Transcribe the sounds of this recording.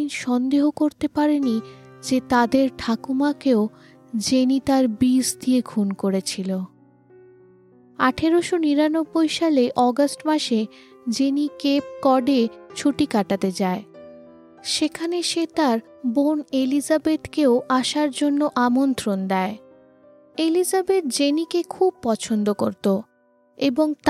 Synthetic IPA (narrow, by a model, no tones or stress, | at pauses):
inʃɔnd̪eɦokoɾt̪epaɾeni | d͡ʑet̪ad̪eɾʈʰakumakeo | d͡ʑenit̪aɾbisd̪iekʰunkoɾet͡ɕʰilo | aʈʰeɾoʃoniɾanobːojʃaleʔɔɡasʈmaʃed͡ʑenikep̚kɔɖet͡ɕʰuʈikaʈat̪ed͡ʑae | ʃekʰaneʃet̪aɾ | bonelizabet̪keoʔaʃaɾd͡ʑonːoʔamont̪ɾond̪ɛe | elizabet̪̚d͡ʑenikekʰub̚pɔt͡ɕʰond̪okoɾt̪o | eboŋt̪